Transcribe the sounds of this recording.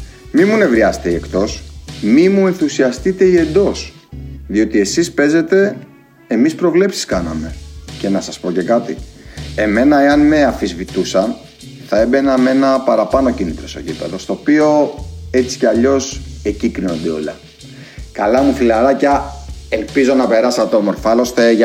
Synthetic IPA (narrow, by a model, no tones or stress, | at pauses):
mimune̞vɾiɐse̥t̪eiekt̪o̞smimue̞nθusiɐst̪it̪e̞ie̞nd̪o̞s | ðio̞t̪ie̞sispe̞ze̞t̪e̞ | emispɾo̞vle̞psi̥skɐnɐ̰me̞ce̞nɐsɐspo̞cekɐt̪ḭe̞me̞nɐeɐnme̞ɐfizvit̪usɐn | θɐe̞be̞nɐme̞nɐpɐɾɐpɐno̞cinit̪ɾoso̰cit̪ɐ̰t̪ost̪o̞ːpio̞e̞t͡si̥ceɐʎo̞se̞cikɾino̞nd̪eo̞̰lɐ̰ | kɐlɐmufilɐɾɐcɐe̞lpizo̞nɐpe̞ɾɐsɐt̪omo̞ɾfɐlo̞st̪eʝɐ